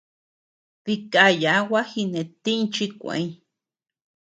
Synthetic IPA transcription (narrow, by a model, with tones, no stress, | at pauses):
βi˧ka˧ja˨˦wa˦hi˧ne˨t̪i˦nt͡ʃi˦kʷḛ̃˧˨ĩ˦